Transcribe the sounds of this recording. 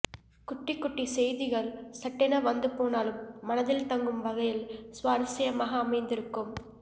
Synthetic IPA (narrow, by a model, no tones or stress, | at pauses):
kʊʈːɪkːʊʈːisɛjðɪɣɐɭsɐʈːɪnɐʋɐnd̪ɯpoːnaːlɯmːɐnɐðɪlt̪ɐŋɡɯmʋɐɣɐjɪlsʋaːɾsɐjɐmaːɣɐːmɐɪnd̪ɪɾɯkːɯm